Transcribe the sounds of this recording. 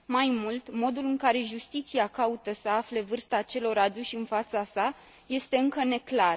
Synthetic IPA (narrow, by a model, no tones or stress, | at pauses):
majmult̪mo̞d̪ulɨŋkaɾe̞ʒust̪it̪siakaut̪əsəafle̞vɨrst̪at͡ʃe̞lo̞ɾad̪uʃʲɨnfat̪sasa | je̞st̪e̞ɨŋkəne̞klar